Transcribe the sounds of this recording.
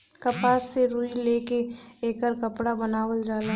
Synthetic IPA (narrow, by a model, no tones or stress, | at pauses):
kɐpaːseɾuːileːkeeːkəɾkɐpɽabɐnaːwəld͡ʒaːla